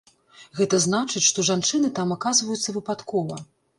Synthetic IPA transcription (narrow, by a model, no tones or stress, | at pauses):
ɣɛt̪ɐznat͡ʂɨt͡sʲʂt̪ɔʐant͡ʂɨnɨt̪amakazvɐjut̪sːɐvɨpat̪kɔvɐ